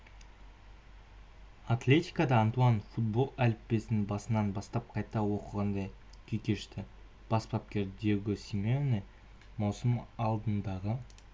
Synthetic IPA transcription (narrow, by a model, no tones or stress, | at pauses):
at̪lʲe̞t̪ʲijkɑd̪ɑːnt̪uɑnfut̪̚bo̞lˠælpbe̞sɪnbɑsənɑnbɑst̪ɑp̚qʰɑjt̪ɑwo̞qəʁɑnd̪ɑj | kʲʰekʲe̞ʃt̪ɪ | b̥ɑspɑp̚kʲe̞ɾd̪e̞wɡʲɪsimʲone | mɑwsəmɑlˠd̪ənd̪ɑʁə